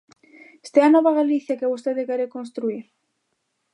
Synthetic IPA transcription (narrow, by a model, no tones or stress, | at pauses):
e̥st̪ɛanɔβɐɣ̞aliθjakɪaβost̪eðɪkɛɾekonst̪ɾuiɾ